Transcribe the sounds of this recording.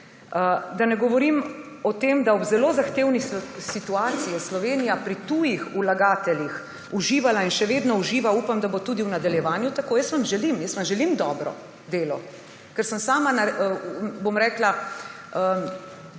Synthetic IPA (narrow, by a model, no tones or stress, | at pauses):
əd̪anɛɡɔʋɔɾimɔt̪eːmd̪aɔbzɛloːzaxt̪eːwnisit̪uaːt̪sijɛslɔʋeːnijapɾit̪uːjixulaɡaːt̪ɛljix | uʒiːʋalainʃɛʋeːd̪nɔuʒiːʋauːpamd̪abot̪uːd̪iwnad̪aljɛʋaːnjut̪akoːjəst̪ʋamʒɛlimjəst̪ʋamʒɛlimd̪ɔːbɾɔ̰ | d̪eːlɔ | kɛɾsəmsaːmana | bomɾɛːkla | ə